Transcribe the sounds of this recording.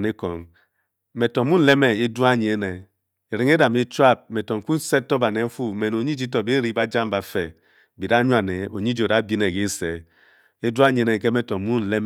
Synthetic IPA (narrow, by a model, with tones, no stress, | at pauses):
ne˦kɔ˨ŋ | me˨tɔ˨˦mu˦n̩˦le˦me˦e˦du˦a˦˨ɲ˨e˦ne˨ | e˨ɾi˨ŋe˦da˨me˦t͡ʃwa˦˨p̚me˨tɔ˨ŋ̩˨ku˦n˦se˦tɔ˦ba˨ne˨˦fu˦me˨no˨ɲi˦d͡ʒi˦tɔ˨be˦ɾi˦ba˦d͡ʒa˦m˦ba˨fe˨ | bi˨da˦ɲu˦a˨ne˨o˨ɲi˦d͡ʒi˨o˨ɾa˨˦bi˦ne˨ɡe˦se˨ | e˦du˦a˦ɲe˨˦ne˨ŋ˨ke˦me˦tɔ˨mu˦n̩˨le˦m